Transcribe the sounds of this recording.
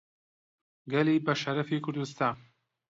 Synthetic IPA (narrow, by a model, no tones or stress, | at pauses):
ɡɐliːbɐʃɐɾɐfikʰʊɾd̪ust̪aːn